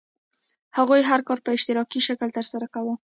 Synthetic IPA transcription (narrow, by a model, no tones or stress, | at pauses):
haɣujɦaɾkɑɾpəɪʃt̪ɪɾɑkiʃakəlt̪əɾsaɾakawə